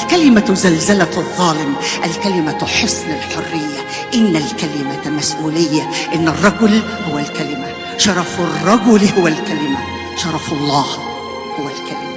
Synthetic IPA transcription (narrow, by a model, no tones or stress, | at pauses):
ʔʔælkælɪmazalzalaðˤːɑːlɪmʔalkælɪmaħʊsnɪlħorːɪjːa | ʔɪnːalkælɪmamasʔuːlɪjːaʔɪnːɨrˤːɑɡʊl | hʊwːælkælɪma | ʃɑɾˤɑfɪrˤːɑɡʊlhʊwːælkælɪma | ʃɑɾˤɑfɑlˤːɑːh | hʊwːælkælɪm